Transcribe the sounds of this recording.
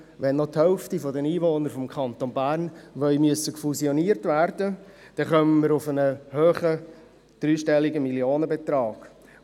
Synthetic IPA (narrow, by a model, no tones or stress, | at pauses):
ʋɛnːɔthɛlftifɔdɛniːʋoːnəɾfɔmkʰɑnt̪onbæːɾnʋœʏmyəsːəkfusiɔniːəɾtvæɾd̥ə | d̥ɛχœməməɾʊfənəhøːχə | d̪̥ɾyːʃtɛlːiɡəmiljoːnəbɛtɾɑːɡ̥